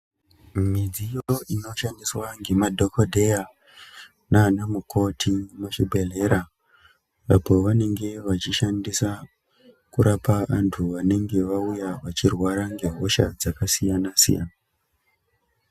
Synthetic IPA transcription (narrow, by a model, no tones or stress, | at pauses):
mid͡zijoino̞ʃandiswaŋɡe̞madʱo̞kodʱe̞ja | naːnamukʰo̞tʰimuʃibʱe̞le̞ɾa | apo̞ʋane̞ŋɡe̞ʋat͡ʃiʃandisa | kuɾapaantʰuʋane̞ŋɡe̞ʋaujaʋat͡ʃirwaɾaŋɡe̞ɦo̞ʃa̰d͡zakasijanasḭja̰na